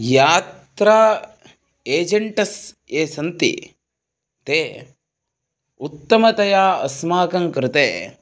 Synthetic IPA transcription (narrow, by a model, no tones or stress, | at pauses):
jaːt̪ɾaː | eːd͡ʒɐɳʈɐs | eːsɐnt̪ḭ | t̪eː | ut̪ːɐmɐt̪ɐjaːɐsmaːkɐŋkɾɪt̪eː